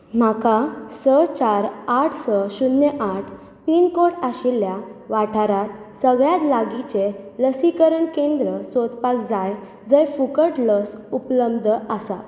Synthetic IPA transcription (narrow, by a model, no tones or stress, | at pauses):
m̤akasət͡ɕaɾaʈʰsɔɕunːeʔaʈʰ | piːnkoɽaɕiljaʋaʈʰaɾat̪̚səɡɭjat̪laɡit͡ɕeləsikəɾəɳkẽnd̪ɾəsot̪pakd͡zaj | d͡zəjfukəʈləsupləbd̪ʱəasa̰